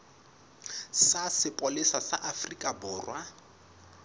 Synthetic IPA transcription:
sasɪpʼolɪsasaʔafrikʼabʊːrwa

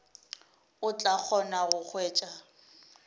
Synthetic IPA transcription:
ʊt͡ɬʼak͡xʰɔnaɣʊk͡xʰweːt͡ʃʼa

